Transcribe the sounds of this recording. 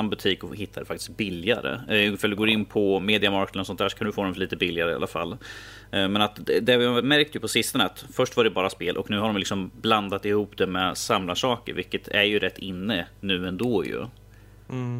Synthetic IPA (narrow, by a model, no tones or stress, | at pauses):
nbɵt̪ʰiːkɔhɦɪt̪ʰːad̪ɛfak̚t̪ɪ̥sk̚bɪlɪa̰ɾə̰fɾald̪ɵɡoːɾɪnːpʰɔmeːd̪ɪamɑɾk̪ənɔsɔnt̪hæːʂɔkʰand̪ɵfoːd̪ɛmliːt̪əbɪlːɪaɾəa̰lʔa̰fa̰lː | mɛnat̪d̪ɛd̪ɛvɪhamæɾk̚t̪jɵpʰɔsɪst̪ənəat̪fœʂʈvaɖɛbɑːɾaspeːlʔɔ̰knʉ̟ːɦaɖɔmjlɪksɔmbland̪at̪ɪhuːpd̪ɛmɛsamlaʂɑːkə̰ɾvɪlkːət̪ʰæɾjɵɾɛt̪ːɪnːənʉ̟ːɛnd̪oːjɵ̰